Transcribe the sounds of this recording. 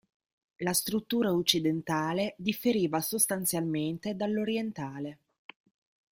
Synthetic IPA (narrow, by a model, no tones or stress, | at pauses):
last̪ɾut̪ːuːɾaut͡ʃːid̪ent̪aːled̪ifːeɾiːvasost̪ant̪sjalment̪ed̪alːoɾjent̪aːle